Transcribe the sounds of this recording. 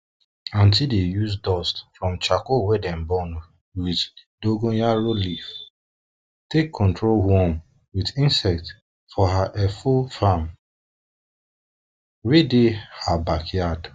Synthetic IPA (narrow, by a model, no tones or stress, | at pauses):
ãntildejus̬dɔstfɹɔ̃mt͡ʃakowɛdɛ̃mbɔn | wiðdoɡõjaɾolif | tekʰːɔ̃ntɹolhɔm | witĩnsɛk̚t | fɔɦaʔɛfofam | wedehabakjad